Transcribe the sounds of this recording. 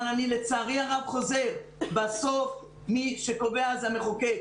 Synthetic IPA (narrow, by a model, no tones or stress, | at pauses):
nanilet͡saːʁiaʁavχo̞ze̞ʁbaso̞f | miʃeko̞veazame̞χoke